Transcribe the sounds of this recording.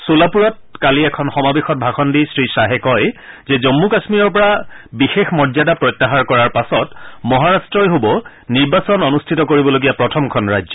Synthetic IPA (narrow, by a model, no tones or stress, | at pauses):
solapuɹɔt̚ | kaliɛkʰɔnxɔmabexɔt̚bʱaxɔndisɹisaɦɛkɔj | zɛzɔmːukasmiɹɔɹpɔɹabixexmɔdzadapɹɔjtːaɦaɹkɔɹaɹpasɔtmɔɦaɹastɹɔjɦobɔ | niɹbasɔnɔnustʰitɔkoɹibɔloɡijapɹɔtʰɔmkʰɔnɹajzɔ